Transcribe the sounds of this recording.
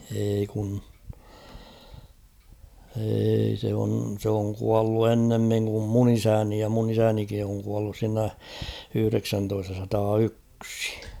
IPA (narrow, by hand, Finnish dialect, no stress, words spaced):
eːi kun eːi se on sĕ oŋ kuɑlːu enːemːiŋ kum mun isæni jɑ mun isænikin̞ oŋ kuɑlːus siːnæ yhy̆reksæntoistɑsɑtɑːyksi̥